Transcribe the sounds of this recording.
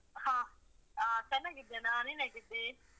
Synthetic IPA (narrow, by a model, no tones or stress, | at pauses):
hãːaːt̪ɛnãːkɪt̪ːeːnaːnĩːnɛ̃ːkɪt̪ːeː